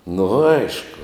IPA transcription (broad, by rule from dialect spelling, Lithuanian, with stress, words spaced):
nʊ ˈɐɪʃkʊ